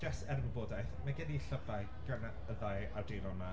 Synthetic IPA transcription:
d͡ʒasɛrvəboːdajθmaɡɛdiɬəbaɨ | ɡ̥əna | əðajardejlɔma

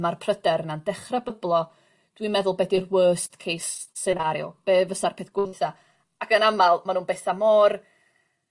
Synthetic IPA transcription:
marpʰrədɛɾnandɛχrabəblˠɔ | d̥wimɛðʊlˠbɛdirwəːstkʰejsːɛnaɾjʊ̰b̥eːvəsarpʰɪθɡ̥wʊθa | akənamalˠmanuːnbeθamɔr

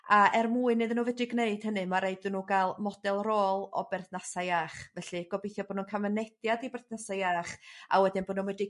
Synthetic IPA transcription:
aɛrmuːɨnɨðənuːvɨdɪɡneɨd̥hənɨmaɾeɨdɪnuɡalˠmɔdɛlˠroːlˠɔ̰bɛrθnasaaːχvɛɬɨɡ̥ɔbijθjɔboːdnunkʰamənɛd̥jadibɛrθnasajaːχa̰wɛdɨnbɔːdnunwɛdɪ

